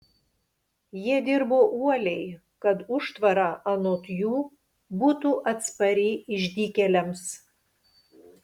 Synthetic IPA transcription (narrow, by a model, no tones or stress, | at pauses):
jiɛd̪ʲɪɾboːʔuɔlʲɛɪ | kɐt̪ʊʃt̪ʋɐɾɑːʔɐnoːt̪ʲjuː | buːt̪uːʔɐt̪spɐɾʲɪʔɪʒʲd̪ʲiːkʲɛlʲɛms